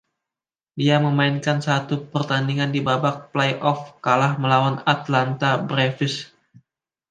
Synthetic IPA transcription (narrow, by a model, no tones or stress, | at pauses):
diaməmainkansat̪upərt̪andiŋandibabak̚plajʔɔfkalahməlawanat̪lant̪abɾefɪs